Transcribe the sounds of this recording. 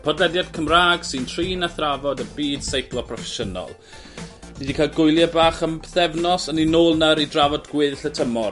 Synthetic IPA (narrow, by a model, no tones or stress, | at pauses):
pʰɔdlɛdjad̥kʰəmraːɡ̥sɪntʰriːnaθravɔdəbiːd̥sejplˠɔpʰrɔfɛʃənɔ̰lˠ | niːdikʰajlˠɡʊjlˠjabaːχəmbθɛvnɔsəninoːlˠnəɾidravɔdɡwɪðɬətʰəmɔ